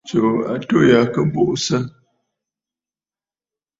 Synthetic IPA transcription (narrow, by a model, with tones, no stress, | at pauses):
t͡ʃo˨a̰˨to˦ja˨kə˦bo˦ʔsə˦